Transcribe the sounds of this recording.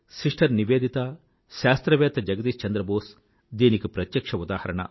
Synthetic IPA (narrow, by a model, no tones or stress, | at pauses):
siʂʈʰɐɾniʋeːd̪it̪a | ʃaːst̪ɾɐʋeːt̪ɐd͡ʒɐɡɐt̪iːst͡ʃɐnd̪ɾɐboːs | d̪iːnikupɾɐt̪jɐkʂɐud̪aːhɐɾɐɳɐ̰